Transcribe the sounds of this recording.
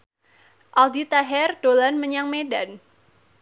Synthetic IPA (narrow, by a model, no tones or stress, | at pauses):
ʔaldit̪aɦɛrɖ̥olanməɲaŋmedan